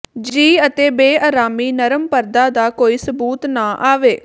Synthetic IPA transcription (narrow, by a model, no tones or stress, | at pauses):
d͡ʒiːət̪eːbeːʔaːɾaːmiːnəɾəmpəɾd̪aːd̪aːkoːiːsəbuːt̪nãːʔaːʋeː